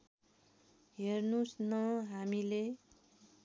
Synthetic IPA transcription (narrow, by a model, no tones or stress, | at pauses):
ɦernusnʌɦamile